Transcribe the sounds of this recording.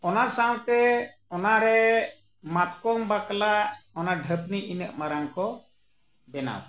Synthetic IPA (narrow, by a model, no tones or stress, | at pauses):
ɔnasawt̪ɛ | ɔnaɾɛ | mat̪kɔŋbaklaɔnaɖʱəpniʔinəʔmaɾaŋkɔ | bɛna̰w